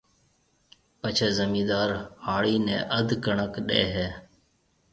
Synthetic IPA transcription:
pət͡ʃʰeːzəmĩːd̪aːɾhaːɭiːnɛ̰̃ːʔəd̪ʱkəɳəkɗḛːɦeː

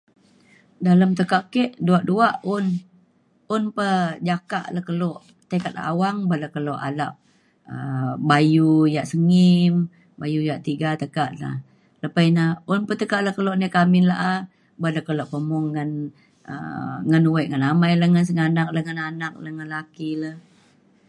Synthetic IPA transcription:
daləmt̪əkaʔkɛʔduaʔduaʔʊn | unpəd͡ʒakaʔlahkəloʔ | t̪ekat̪̚la̰awaŋbəlakəloʔa̰laʔ̚ | əbajujaʔsəŋim | bajujaʔt̪iɡat̪əkaʔla̰h | ləpainaunpət̪əkaʔləhkəloʔnəkamɪnla̰ʔa | bələkəloʔpəmɔŋːən | ə̰ŋənuwɛʔŋənamajləhŋəns̬əŋanak̚ləhŋənanak̚ləhŋənlakiləh

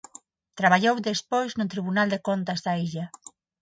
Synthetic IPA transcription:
t̪ɾaβaʎowd̪espojznʊt̪ɾiβ̞unald̪ekont̪azðaiʎa

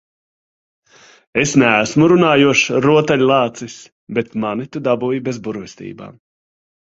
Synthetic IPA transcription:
esnæːsmuɾunaːjuɔʃɾuɔt̪alʲlˠɑːt̪sis | bet̪manit̪ud̪abujbezbuɾvɛst̪ḭːba̰ːm

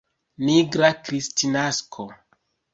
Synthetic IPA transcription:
niɡɾakɾistinaskʰo

